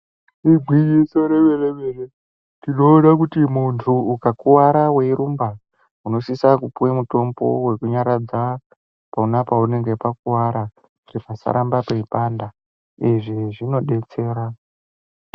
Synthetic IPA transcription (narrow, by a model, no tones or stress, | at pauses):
ibʱwijisoɾeʋereʋere | tino̞uɗakutimuntʰuːkakuwaɾawe̞iɾumba | uno̞sisakupuwemuto̞mbo̞̰we̞kuɲaɾad͡za | paunapaune̞ŋɡe̞pakuwaɾa | iripasa̰ɾambapeipanda | iʐiʐino̞ɗe̞t͡se̞ːɾa